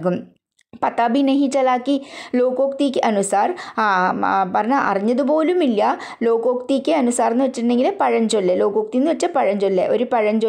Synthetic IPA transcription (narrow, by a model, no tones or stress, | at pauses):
ɣum | pɐt̪ːaːbineɦit͡ɕːɐlaːkːilo̞ːkoːkt̪ikʲːɨʔɐnusaːr | pɐrɐɲːaʔɐ̰riɲːɐðup̬o̞ːlumilːɐ | lo̞ːkoːkt̪ikʲːɨɐnusaːrenːɨʋɐt͡ɕːiʈːɨnɖe̞ŋɡilpɐɻɐɲd͡ʑolːelo̞ːkoːk̚t̪ijenːɨʋɐt͡ɕːɐpɐɻɐɲd͡ʑolːḛʔo̞ɾupɐɻɐɲd͡ʑo